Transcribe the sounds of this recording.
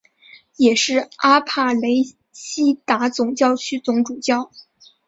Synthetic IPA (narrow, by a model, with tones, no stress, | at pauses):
jɛ˨˩ʂɻ̩˥˩a˥pʰa˥˩le˧˥ɪ | ɕi˥t̪a˧˥t͡sʊ˨˩ŋt͡ɕjɑ˥˧ʊt͡ɕʰy˥t͡sʊ˧˥ŋʈ͡ʂu˨˩t͡ɕjɑ˥˩ʊ